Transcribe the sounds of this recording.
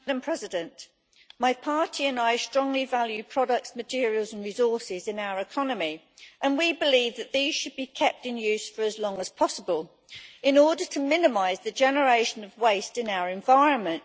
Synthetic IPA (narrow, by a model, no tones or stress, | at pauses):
ɾə̃mpʰɹ̥ɛzɪdə̃nʔ | maɪpʰɑˑtʰiə̃naɪstɹ̥ɒ̃ŋlivaljʉd̚pʰɹ̥ɒɾək̚tsmətʰɪəɹiəlˠzə̃nɹɪzɔˑsɪzɪ̃naʊəɹɪkʰɒnəmi | ʔə̃nwibɪliːvðəʔðiːz̥ʃəd̚bikʰɛp̚tɪ̃njʉːˑz̥fəɹəzlɒ̃ŋəz̥pʰɒsəbəlˠ | ɪ̃nɔːdətʰəmɪ̃nɪmaɪzðəd͡ʒɛnəɹeɪʃə̃nəvweɪstɪ̃naʊəɹɛ̃ɱvaɪɹə̃nmə̃nʔ